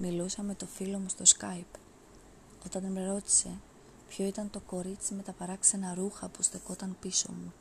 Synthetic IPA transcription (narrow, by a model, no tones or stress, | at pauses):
milusɐme̞t̪o̞filo̞must̪o̞skɐjp | o̞t̪ɐnd̪inmeɾo̞t̪i̥se̞ | pço̞it̪ɐnt̪o̞ko̞ɾit͡sime̞t̪ɐpɐɾɐkse̞nɐɾuxɐpust̪eko̞t̪ɐnpiso̞̰mu